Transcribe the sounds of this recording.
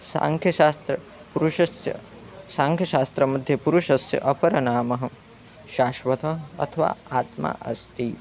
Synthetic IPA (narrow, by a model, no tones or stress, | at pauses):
sa̰ŋkʰjɐast̪ɾɐ | puɾuʃɐsjɐ̰ | saːŋkʰjɐʃaːst̪ɾɐmɐd̪ʱjɐpuɾuʃɐsjɐ̰ʔɐpɐɾɐnaːmɐɦɐ | ʃaːʃʋɐt̪ɐɐ̰t̪ʰɐʋa̰ːaːt̪ma̰ːʔɐst̪i